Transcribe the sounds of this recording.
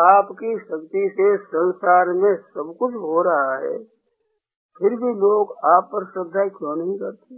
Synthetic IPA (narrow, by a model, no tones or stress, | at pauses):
aːpkiʃɐkt̪isesɐ̃nsaːɾmẽsɐbkʊt͡ʃʰɦoɾɐɦaɦɛ̰ː | pʰɪɾbʱiloːɡaːpːɐɾsɾəd̪ʱːaːkjõːnɐɦĩkɐɾt̪eɦɛ̃